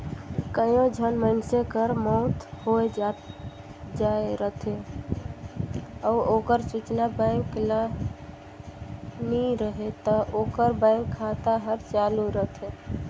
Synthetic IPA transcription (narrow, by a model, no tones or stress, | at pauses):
kəjõd͡ʒʱənmənsekəɾmɔt̪hoed͡ʒa | d͡ʒaeɾət̪ʰe | ɔuokəɾsut͡ʃnabãɪ̃ŋklə | niɾəɦet̪ɔʔokəɾbaɪ̃ŋkʰːat̪aɦəɾt͡ʃaluɾəɦt̪ʰe